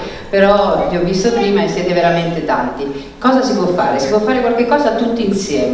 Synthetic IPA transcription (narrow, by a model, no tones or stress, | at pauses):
peɾɔvjɔvːist̪opɾiːmaesːjɛːt̪eveɾament̪et̪ant̪i | kɔːzasipwɔfːaːɾesipwɔfːaːɾekwalk̟ekːɔːzat̪ut̪ːiinsjɛːm